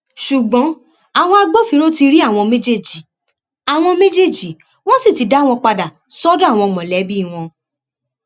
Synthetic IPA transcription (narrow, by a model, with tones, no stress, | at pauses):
ʃu˨ɡ͡bɔ̃˨˦ | a˨w̃ɔ̃˧a˧ɡ͡bo˦fĩ˧ɾo˦ti˧ɾi˦a˦˨w̃ɔ̃˧mẽ˦d͡ʒe˦˨d͡ʒi˨ | a˨w̃ɔ̃˧me˦d͡ʒe˦˨d͡ʒi˨˦ | w̃ɔ̃˦si˦˨ti˨˧˦da˨˦˨w̃ɔ̃˧k͡pa˧da˨ | sɔ˦da˦˨w̃ɔ̃˧mɔ̃˨lɛ˨˦bi˦˨w̃ɔ̃˧